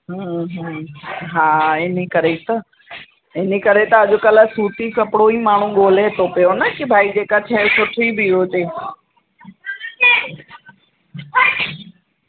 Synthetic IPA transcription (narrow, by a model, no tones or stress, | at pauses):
ɦə̃ɦ | ɦaːɪnikɐɾet̪ɐ | ɪnikɐɾet̪ɐɐʄokɐləsuːt̪ikɐpɽoimaːɳ̤̃ũɠoːlet̪opijonɐkɪbʱaːid͡ʑeːkat͡ɕʰɐɦsʊʈʰibɪɦoːt̪eː